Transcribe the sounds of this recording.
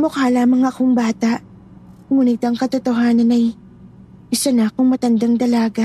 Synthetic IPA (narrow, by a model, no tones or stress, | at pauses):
mokalaːmɐŋɐkoŋbaːt̪aʔ | kʊmunɪɡ̚t̪ɐŋkɐt̪ot̪oɦaːnɐnɐj | ɪsɐnakʊŋmɐt̪ɐnd̪aŋd̪ɐlaːɡa